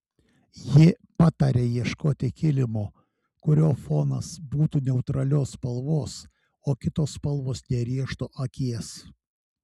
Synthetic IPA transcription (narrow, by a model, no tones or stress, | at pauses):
jɪ | pɑt̪ɐɾʲejiɛʃkoːt̪ʲɪkʲɪlʲɪmoː | kʊɾʲoːfoːnɐsbuːt̪uːnʲɛʊt̪ɾɐlʲoːspɐlˠʋoːs | oːkʲɪt̪oːspɐlˠʋoːsnʲɛɾʲiɛʃt̪oːʔɐkʲiɛs